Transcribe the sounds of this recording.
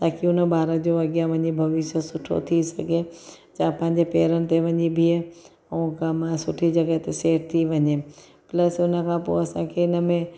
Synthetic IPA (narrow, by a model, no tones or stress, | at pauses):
t̪aːkiʊnəbaːɾəd͡ʑoɐɡjãʋɐ̃ɲibʱɐʋɪʃəsʊʈʰo̰t̪ʰisɐɡʱe | t͡ɕaːpɐ̃ɦɪ̃ɲ̆d͡ʑepeːɾənɪ̆t̪eʋɐ̃ɲibʱi | ũkãmsʊʈʰid͡ʑɐɡət̪eseːʈ̚t̪ʰiʋɐɲe | pləsʊnə̆kʰãːpo̰ːɐsãkʰeɪnəmẽ